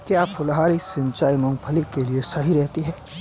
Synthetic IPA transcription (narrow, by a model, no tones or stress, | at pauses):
kjaːpʰʊlɦaːɾisɪ̃ɲt͡ʃaːinʊ̃ŋpʰɐlikeliesɐɦiɾɛɦt̪iɦɛː